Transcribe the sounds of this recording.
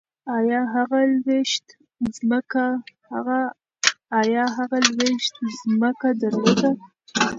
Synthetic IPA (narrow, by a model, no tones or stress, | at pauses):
ɑjɑɦaɣalweʃt̪ | zməkahaɣaː | jɑɦaɣalweʃt̪zməkad̪əɾlod̪a